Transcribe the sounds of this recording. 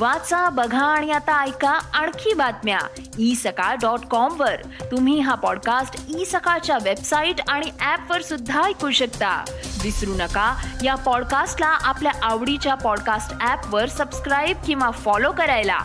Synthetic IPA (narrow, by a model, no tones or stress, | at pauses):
ʋat͡sabəɡʱãːɽ̃iat̪aːjkaaɳ̃kʰiːbad̪mja̰ | isəkaɖɔʈkɔmʋəɾ | t̪um̤iːɦapɔɽkasʈisəkat͡ɕjaʋebsaiʈaɽ̃iʔæpʋəɾsud̪ʱːajkuɕəkt̪a̰ʋisɾunəkajapɔɽkasʈlaʔapljaʔaʋɽit͡ɕjapɔɽkasʈæpʋəɾsəbskɾajb̚kĩw̃ʋafɔlokəɾajla̰